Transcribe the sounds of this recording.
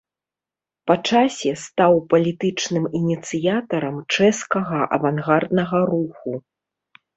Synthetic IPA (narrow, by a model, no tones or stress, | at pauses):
pɐt͡ʂasʲɛst̪awpɐlʲit̪ɨt͡ʂnɨminʲit̪sɨjat̪ɐɾɐmt͡ʂɛskɐɣɐʔɐ̰vanɣard̪nɐɣɐɾuxu